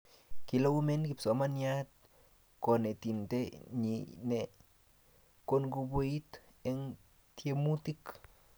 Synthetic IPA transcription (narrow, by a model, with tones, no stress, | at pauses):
ki˧lo˦wu˦me˦nki˧pso˨ma˧nja˦t̪̚ | ko˨ne˨t̪i˧nt̪e˦ɲi˧ne˨ | ko˧nɡu˧bʷi˦jt̪e˧n | t̪je˧mu˦t̪i˦k